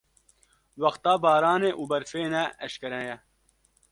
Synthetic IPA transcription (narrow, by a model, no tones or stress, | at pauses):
wɐxt̪aːbaːɾaːneʔuːbɐɾfeːnæʔɐɕkɐɾɐjɐ